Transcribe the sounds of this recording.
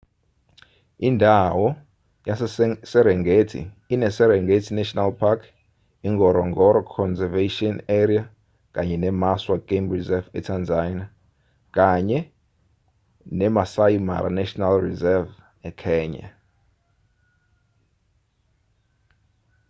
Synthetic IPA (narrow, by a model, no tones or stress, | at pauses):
indʱawɔ | jasɛɾɛŋɡetʰḭː | nɛsɛɾɛŋɡetʰinɛʃɔnalpʰakʰ | iŋɡɔɾɔŋɡɔɾɔkʰɔnzɛveʃiɔnɛɾia | kaɲɛnɛmaswaɡ̥emrizɛvɛtʰand͡zana | k̬ʼaɲɛ | nɛmasajma̰ɾa̰nɛʃɔnalrizɛv | ɛkʰɛːɲa̰